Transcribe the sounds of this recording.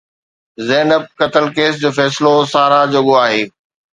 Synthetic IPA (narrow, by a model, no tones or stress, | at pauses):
zɛːnəb̚kɐt̪əlkeːsd͡ʑoːfɛːsɪlosaːɾad͡ʑoɠoaːɦeː